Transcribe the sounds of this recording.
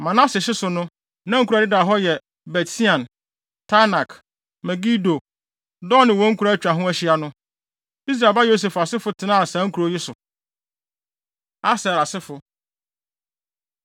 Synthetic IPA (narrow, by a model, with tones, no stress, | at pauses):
mã˨nã˦sɪ˨ɕɪ˦sʊ˨nʊ̃˦ | nã˦ŋ̩˦ku˨ɾa˨ɪ˦da˨ɦɔ˦jɛ˨ | bɛ˨ti˦ã˨n | tʰa˦na˨k | mɛ˨ɡi˦do˨ | dɔ˦nɪ̃˨wɔ̃˨˦ŋ̩˦kʰu˨ɾa˦t͡ɕᶣa˨ɦʊ̃˦æ˦ɕi˦a˨nʊ̃˦ | i˦s̬ɾa˨ba˦jo˦s̬e˨fa˨sɪ˦fʊ˦tʰɪ˨nã˦a˨sã˨˦ŋ̩˦kʰu˨ɾo˦jɪ˦sʊ˨ | a˦sa˨ɾa˨sɪ˦fʊ˨